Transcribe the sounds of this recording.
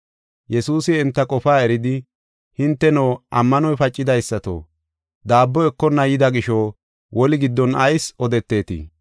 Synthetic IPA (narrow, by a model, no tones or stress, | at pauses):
jɛsuːsɪɛnt̪ːɐkʼɔfaːɛɾɪd̪ɪ | hɪnt̪ːɛnoːʔɐmːɐnɔjfɐt͡ʃʼːɪd̪ɐjsːɐt̪o̰ː | d̪aːbːɔɛkːɔnːɐjɪd̪ɐɡɪʃoː | wʔɔlɪɡɪd̪ːɔnɐjsɔd̪ɛt̪ːe̞ːt̪ḭ